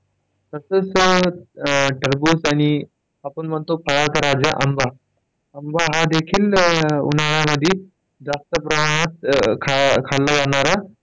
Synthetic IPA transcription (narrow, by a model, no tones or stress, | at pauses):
t̪əsəːt͡s | ʈəɾbusañi | apəɳmət̪opʰəɽat̪aɾad͡zaʔəmbʱa | əmbʱaɦad̪ekʰiːlṵnaɭjaməd̪ʱːji | d͡zast̪əpɾəmaɽ̃at̪̚kʰakʰalːad͡zaɳ̃aɾa